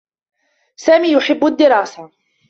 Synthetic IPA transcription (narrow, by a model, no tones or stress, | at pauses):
saːmiːjʊħɪbːʊad̪ːɪɾˤɑːsa